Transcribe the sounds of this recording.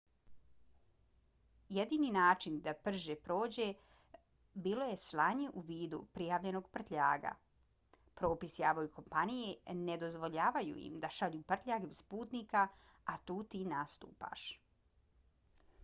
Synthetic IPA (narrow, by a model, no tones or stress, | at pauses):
jed̪iːninaːt͡ʃind̪apr̩ʒepɾo̞ːd͡ʑe̞ | biːlo̞je̞slˠaːɲe̞ʔuʋiːd̪ṵpɾijaːʋʎe̞noɡ̚pr̩t̪ʎʲa̰ːɡa̰ | pɾo̞ːpisjaːboiko̞mpanije̞ned̪o̞zʋo̞ʎaːʋajṵḭmd̪aʃaʎuːpr̩t̪ʎʲaːɡeuspuːt̪nika | at̪uːt̪iːnast̪ṵːpa̰ʃ